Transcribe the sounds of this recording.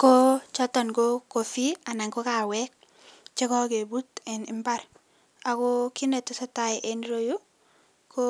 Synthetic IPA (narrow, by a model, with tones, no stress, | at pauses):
ko˦t͡ʃɔtɔ˨nkoko˨fia˨na˨ŋko˦ka˨wɛk̚ | t͡ʃɛ˦kɔ˦ke˨butɛ˨nɪ˦mba˦ɾ | a˨kɔkinɛtɔsɔ˦taiʔenɾoju˦ | ko